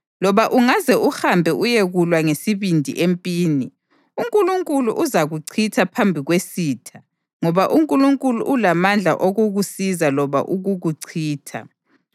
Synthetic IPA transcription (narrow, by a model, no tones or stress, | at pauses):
lɔβaʔuŋazɛʔuhambʱɛʔujeɣulwaŋesiβindʱḭʔempʼiːni | uŋkʼuluŋkʼulṵʔuzaɣuǀʰitʰapʰambʱiɣwesiːtʰa | ŋɔβaʔuŋkʼuluŋkʼulṵʔːlamand͡ɮʱa̰ʔoɣuɣusizalɔβa̰ʔuɣuɣuǀʰiːtʰa̰